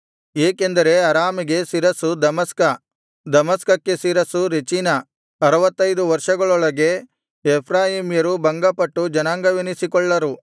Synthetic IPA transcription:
eːkend̪ɐɾe̞ɐɾaːmiɡe̞siːɾɐsud̪ɐmɐskɐ | d̪ɐmɐskɐkːe̞siːɾɐsuɾet͡ʃinɐ | ɐɾɐʋɐt̪ːɐjd̪uʋɐɾʂɐɡɐɭɔɭɐɡe̞ | epʰɾaːɦimijɐɾubɐŋɡɐpɐʈːud͡ʒɐnaːŋɡɐʋinisikɔɭːɐɾu

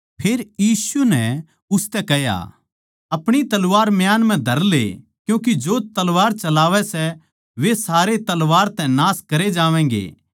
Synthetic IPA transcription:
pʰeːɾjiːsunɛ | ʊst̪ɛkɛɦja̰ | ɐpɽ̃it̪ɐlʋaːɾmjaːnm̤ɛ̃d̪ʱɐɾlḛ | kjũːk̬id͡ʒot̪ɐlʋaːɾt͡ʃɐlaːʋɛsɛ | ʋesaːɾet̪ɐlʋaːɾt̪ɛ̃naːskɐɾed͡ʒaːʋɛ̃ːɡḛː

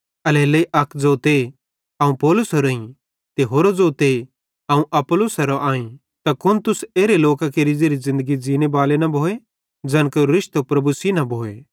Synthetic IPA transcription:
ɐleːleʔɐkʰd͡zoːt̪e | ɐũpɔːlʊsoɾoĩ | t̪eɦoːɾod͡zoːt̪e | ɐũʔɐpolʊsɐɾoʔaːĩ | t̪akʊnt̪ʊseːɾeloːkakeɾɪd͡ʒeɾizɪ̃nd̪əɡid͡ʒiːnebaːlenɐbʱoːe | d͡ʒɐ̃ːnkoɾɪʃt̪opɾɐbusinɐbʱoːeː

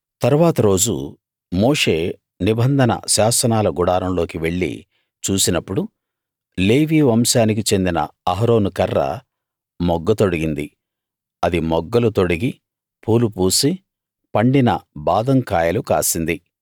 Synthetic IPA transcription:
t̪ɐɾuʋaːt̪ɐɾo̞ːd͡ʒṵ | moːʂe̞ː | nibɐnd̪ʱɐnɐ̰ʃaːsɐnaːlɐɡuɽaːɾɐmlo̞ːkiʋe̞ɭːḭ | t͡ʃuːsinɐpːuɽu | leːʋiːʋɐmsaːnik̬it͡ʃe̞nd̪inɐ̰ɐɦɾo̞ːnukɐrːɐ̰ | mɔɡːɐt̪o̞ɽiɡind̪i | ɐd̪imɔɡːɐlut̪o̞ɽiɡi | pʰuːlupuːsi | pɐɳɖinɐ̰baːd̪ɐŋkaːjɐluka̰ːsind̪i

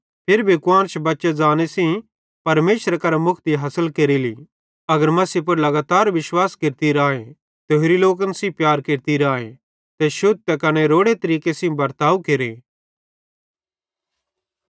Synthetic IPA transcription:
pʰɪɾbʱikʊwaːnt͡ʃʰbɐtːʃed͡zaːnesĩ | pɐɾmeːʃɾakɐɾamʊkʰt̪iɦɐsəlkeːɾilḭ | ɐɡəɾmɐsip̬ʊɾlɐɡaːt̪aːɾʋɪʃwaːskeɾt̪iɾãːe | t̪eɦɾiloːk̬ənsĩpjaːɾkeɾt̪iɾãːḛ̃ | t̪ɛʃʊd̪̚t̪ɛkɐnɛɾoːɽet̪ɐɾiːkesĩbɐɾt̪aːukeːɾeː

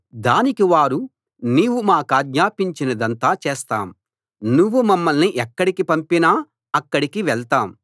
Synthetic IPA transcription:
d̪aːnikiʋaːɾu | niːʋumaːkaːɡɲaːpiɲt͡ʃinɐd̪ɐnt̪aːt͡ʃɛːst̪a̰ːm | nuʋːumɐmːɐlniʔɛkːɐɽikipɐmpinaː | ɐkːɐɽikiʋɛɭt̪aːm

